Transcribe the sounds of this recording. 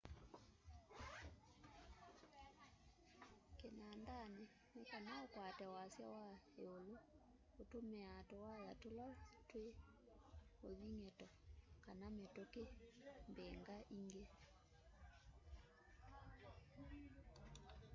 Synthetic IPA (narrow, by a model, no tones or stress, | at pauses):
kenandane | nekanaokwatɛwasja̰wa | eolo | otomɛatowajatolatwe | oðiŋetɔkanametokembɛŋɡaʔiŋɡe